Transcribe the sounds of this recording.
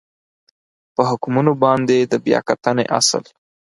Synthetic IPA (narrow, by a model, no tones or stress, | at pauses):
pəɦʊkmunobɑnd̪ed̪əbjɑ̰kat̪ənḛʔa̰sə̰l